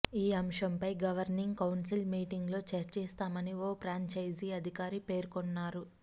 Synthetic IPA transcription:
iːɐmʂɐmpɐjɡɐʋɐɾniŋɡkɐwnsilmiːʈiŋɡlo̞ːt͡ʃeɾt͡ʃɛːst̪aːmɐnioːpɾaːɲt͡ʃɐjd͡ʒiɐd̪ʱikaːɾipe̞ːɾkonːaːɾu

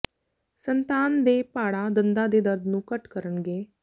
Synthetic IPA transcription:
sənt̪aːnd̪eːpaːɽad̪ənd̪ad̪eːd̪əɾd̪nũːkəʈkəɾəɳɡeː

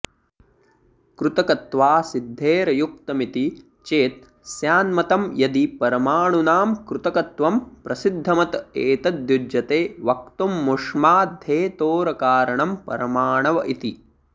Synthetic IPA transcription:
kɾut̪ɐkɐt̪ʋaːsid̪ʱːeːɾɐjuk̚t̪ɐmit̪i | t͡ʃeːt̪̚ | sjaːnmɐt̪ɐmjɐd̪ipɐɾɐmaːɳunaːmkɾut̪ɐkɐt̪ʋɐmpɾɐsid̪ʱːɐmɐt̪eːt̪ɐd̪jud͡ʒjɐt̪eːʋɐk̚t̪umːuʂmaːd̪ʱeːt̪oːɾɐkaːɾɐɳɐmpɐ̰ɾɐmaːɳɐʋɐʔit̪i

